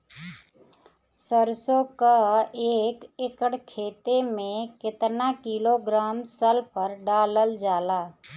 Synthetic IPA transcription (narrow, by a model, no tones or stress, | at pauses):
səɾsõkaeːkɪkəɽkʰeːt̪emẽkɪt̪nakiloɡɾaːmsəlpʰəɾɖaːləld͡ʒaːlaː